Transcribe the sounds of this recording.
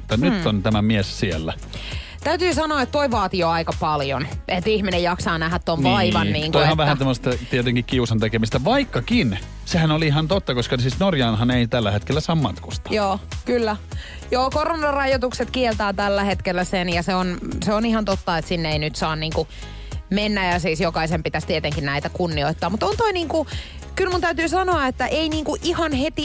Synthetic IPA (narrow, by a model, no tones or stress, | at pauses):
et̪ːɑnyt̪ːont̪æmæmiessielːæ | t̪æyt̪yːsɑnoɑːet̪toiʋɑːt̪ioɑikɑpɑljonʔet̪ihminejɑksɑːnæɦæt̪t̪ːonʋɑiʋɑnniːŋk̪ohɑʋʋæhænsemːost̪ɑt̪iet̪eŋkikkiusɑnt̪ekemist̪æʋɑikːɑkin | sehænoliihɑnt̪ot̪ːɑkoskɑsiːsnorjɑːnhɑneit̪ælːæhet̪kelːæsɑːmmɑt̪kust̪ɑ̥joːkylːæ | joːkoronɑrɑjot̪ukset̪kielt̪ɑːt̪ælːæhet̪kelːæsenjɑseonseonihɑnt̪ot̪ːɑet̪sinːeeinyt̪sɑːnniːŋku | menːæjɑsiːsjokɑisempit̪æst̪iet̪eŋkinnæit̪ækunːioit̪ːɑːmmut̪ont̪oiniːŋku | kylmunt̪æyt̪yːsɑnoɑet̪ːæʔeiniːŋkuʔihɑnhet̪i